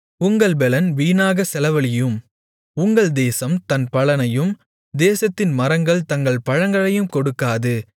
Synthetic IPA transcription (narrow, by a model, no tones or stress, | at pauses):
ʊŋɡɐɭbɛlɐnʋiːnaːɣɐsɛlɐʋɐɭɪjɯm | ʊŋɡɐɭd̪eːsɐmt̪ɐnpɐɭɐnɐjɯm | d̪eːsɐt̪ːɪnmɐɾɐŋɡɐɭt̪ɐŋɡɐɭpɐɻɐŋɡɐɭɐjɯmkɔɽɯkːaːðɯ